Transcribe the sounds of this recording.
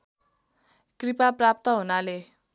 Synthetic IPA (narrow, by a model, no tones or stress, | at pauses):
kripaprap̚t̪ʌɦunale